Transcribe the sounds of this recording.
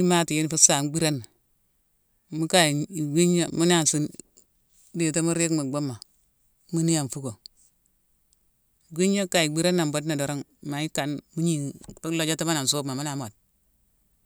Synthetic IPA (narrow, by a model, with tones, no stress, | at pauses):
i˦ma˦ti˨je˦n˨fu˦sa˨ŋ˦ɡ͡bi˦ɾa˦n˨ | mu˦ka˨i˨ɡi˦ɲa˦mu˦n˦a˦˨n˨si˦n | de˨ta˦mu˦ɾe˦kmu˨ɡ͡bo˦mːa˨ | mu˦ni˦ja˨n˨fu˦ko˨ | ɡʷi˦ɲa˦ka˨i˨ɡ͡bi˦ɾa˦nːa˨m˨bo˦dna˨do˨ɾo˦ŋma˨i˦ka˨nmu˦ɲi˦˨pi˦lo˦d͡ʒa˦ti˦ma˦na˨so˦bma˨mu˦na˨mo˨d̚